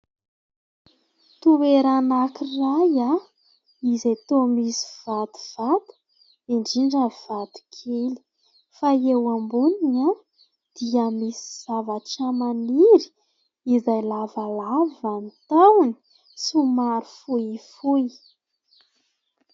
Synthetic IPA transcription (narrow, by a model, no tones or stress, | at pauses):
t̪uweɾanakiraja | izet̪omisi̥v̥at̪i̥v̥at̪u̥ | iɳɖ͡ʐiɳɖ͡ʐəv̥at̪i̥kʰeli̥ | faewambunina | d̪̥iamisi̥z̥avaʈ͡ʂəmaniɾi̥ | izajlavalavanit̪awni̥ | sumaɾufuifu